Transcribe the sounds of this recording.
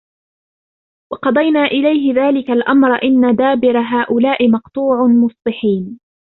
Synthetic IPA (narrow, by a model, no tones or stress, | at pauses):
wɑqɑd̪ˤɑjnaːʔɪlajɦɪðaːlɪkalʔamɾˤʔɪnːad̪aːbɪɾaɦaːʔʊlaːʔɪmɑqt̪ˤuːʕʊmʊsˤbɪħiːn